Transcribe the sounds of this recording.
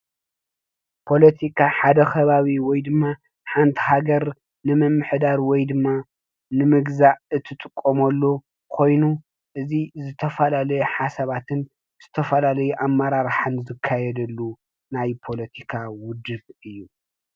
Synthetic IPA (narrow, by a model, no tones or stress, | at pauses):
pʰo̞lɐt̪ʰikʰaħad̪ɐxʰɐβaβiwɔjd̪ɨmːa | ħant̪ʰiɦaɡɐɾ | nɨmɨmːɨħd̪aɾwɔjd̪ɨmːa | nɨmɨɡzaɨt̪ʰːɨt̪ʼɨkʼːomɐlːo | kʰo̞jnu | ʔɨzizɨt̪ʰɐfɐlalɐjɛħasɐβat̪ʰɨn | z̥ɨt̪ʰɐfɐlalɐjuʔamːɐɾaɾħanzɨkʰːajɛd̪ɐlːu | najpʰo̞lɐt̪ʰikʰawʊd̪ɨβɨjːu